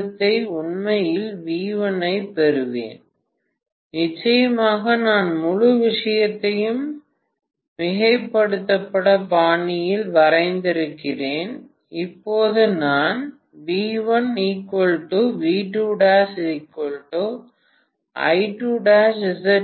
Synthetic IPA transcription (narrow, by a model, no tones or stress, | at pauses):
t̪ːɐɪʊɳmɐjɪlʋiːʋɐnɐɪpɛɾɯʋḛːn | nɪt͡ʃːɐjɐmaːɣɐnaːnmʊɻʊʋɪʂɐjɐt̪ːɐjɯm | ʋɪɣɐɪpːɐɽɯt̪ːɐpːɐɽɐpaːɳɪjɪlʋɐɾɐɪnd̪ɪɾɯkːɪreːn | ɪpːoːðɯnaːn | ʋiːʋɐnniːkːɔɭʈːɯʋiːʈːuːɽaːsɪɪkːɔɭʈːo | ʔɐ̰ɪʈːuːɽaːsɪsɐ